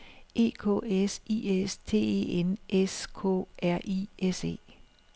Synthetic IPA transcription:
ʔe̝̰ːkʰɔ̰ːesiːest͡sʰe̝̰ːḛːenʔeskʰɔ̰ʔæɐ̰ʔiese̝̰ː

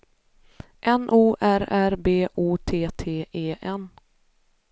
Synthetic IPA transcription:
ʔɛnʔuːʔæɾæɾbeːʔuːt̪ʰeːt̪ʰeːʔeːʔɛn

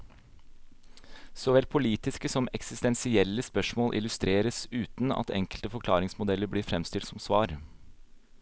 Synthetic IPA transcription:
sɔʋɛlpʰʊliːt̪ɪskəsɔmɛksɪst̪ɛnsɪɛlːəspœʂmoːlʔɪ̰lʉst̪ɾeːɾəsʉːt̪nɑ̰t̪ɛ̰ŋkəlt̪əfɔɾkʰlɑːɾɪŋsmʊd̪ɛlːəɾbɽiːɾfɾɛmst̪ɪlt̪sɔmsʋɑːɾ

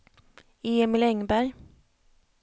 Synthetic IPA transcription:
eːɛmɪlɛŋbæɾj

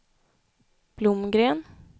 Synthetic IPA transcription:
b̥lʊmɡɾeːn

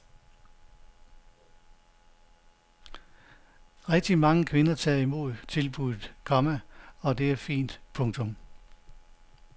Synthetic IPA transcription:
ʁɛɡ̥̚d̥imɑ̈ŋəkʰʋe̝nɐt͡sʰɛ̰ːimo̝ð̰ˠt͡sʰe̝lb̥uðˠð̩ˠkʰɒ̽məɒ̽d̥e̝æɐfḭːnd̥pʰɔ̽ŋt͡sʰɔ̽m

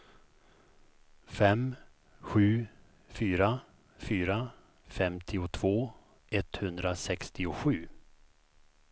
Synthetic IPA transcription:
fɛm | ɧʉ̟ː | fyːɾa | fyːɾa | fɛmt̪ʰɪʊt̪ʰv̥oː | ɛt̪hɵnd̪ɾasɛkst̪ɪʊɧʉ̟ː

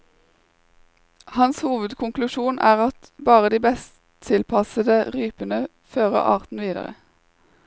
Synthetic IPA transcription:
hɑnshuːʋəd̪kʰʊŋklʉʃuːnæːʁɑt̪bɑːʁəd̪iːbɛst̪ʰɪlpʰɑsəd̪əʁyːpənə | føːʁə̰ʁʔɑ̰ːʁt̪n̩ʋiːd̪ə̰ʁə̰

